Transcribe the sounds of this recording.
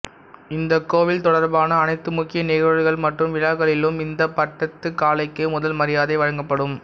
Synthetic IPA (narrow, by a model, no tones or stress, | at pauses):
ɪnd̪ɐkːoːʋɪlt̪ɔɽɐɾbaːnɐːnɐɪt̪ːɯmʊkːɪjɐnɛːɣɐɻɯɣɐɭmɐʈrɯmʋɪɻaːɣɐɭɪlɯmɪnd̪ɐpɐʈːɐt̪ːɯkːaːlɐɪkːɐmʊðɐlmɐɾɪjaːðɐɪʋɐɻɐŋɡɐpːɐɽɯm